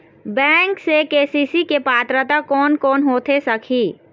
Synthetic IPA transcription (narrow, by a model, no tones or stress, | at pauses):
bɛ̃ːŋksekeːsiːsikepaːt̪ɾət̪akɔːnkɔːnɦoːt̪ʰesəkʰiː